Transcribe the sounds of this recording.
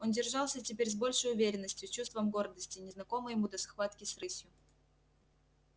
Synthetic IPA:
o̞ndʲɪrʐɑlˠsʲətʲɪpʲeɾʲzbo̞lʲʂəjʊvʲeɾʲɪnːəsʲtʲjʊt͡ɕust̪vəmɡo̞rd̪əsʲtʲɪnʲɪznɐko̞mɨjɪmud̪əsxvat̪kʲɪsrɨsʲjʊ

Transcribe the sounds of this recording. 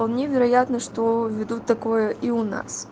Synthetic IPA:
alˠnʲevʲɪɾɐjat̪nəʂt̪ovʲɪd̪ut̪ːɐkojəʔiʊna̰s

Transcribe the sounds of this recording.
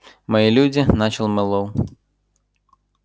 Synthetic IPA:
mɐjilʲud͡zʲinat͡ʃɐlˠmɛlˠɔw

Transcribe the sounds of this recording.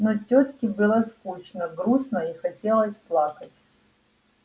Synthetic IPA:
notʲot̪kʲɪbɨlˠəskut͡ɕnəɡɾusnəixɐtʲelˠəsʲplˠakətʲ

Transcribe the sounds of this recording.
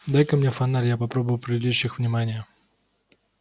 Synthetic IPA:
d̪ajkəmnʲefɐnalʲjapɐpɾo̞bʊjʊpɾʲɪdʲɪd̪ʲuɕːɪxvnʲɪmanʲɪjə

